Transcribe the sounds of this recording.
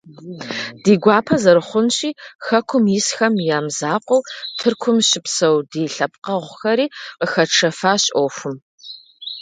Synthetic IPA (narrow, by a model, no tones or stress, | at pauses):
d̥iːɡʷaːpʰɐzɐɾɨχʷʊnɕiːxɐkʷʰʊmjɪsxɐmjaːmzaːqʷɔwtʰɨrkʷʰʊmɕɪpsɐwdeːɬɐp̚qɐʁʷʊxɐɾiːqəxɐʈ͡ʂʰɐfaːɕʼoːfʊm